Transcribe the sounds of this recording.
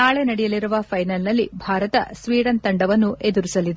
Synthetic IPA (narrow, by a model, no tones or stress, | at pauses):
naːɭenɐɽɛjɐliɾuʋɐpʰɐjnɐlnɐlːibʱaːɾɐt̪ɐ̰sʋiːɽɐnt̪ɐɳɖɐʋɐnːuʔe̞d̪uɾisɐlːid̪e